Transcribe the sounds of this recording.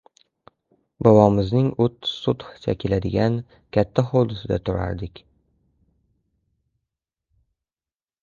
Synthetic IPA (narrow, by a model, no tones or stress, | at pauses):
bɒwɒmɪznɪŋʊt̪ːsʊt̪ht͡ʃʰakʲʰɪlad̪ɪɡʲan | kʲʰat̪ʰːaχod̪ɪsɪd̪at̪ʰʊɾa̰ɾd̪ɪkʲ